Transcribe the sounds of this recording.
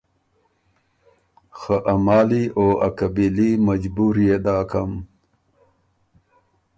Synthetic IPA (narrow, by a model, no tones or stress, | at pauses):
xəʔamɑːliʔoɐkabilimad͡ʒbuɾjed̪aːkʰam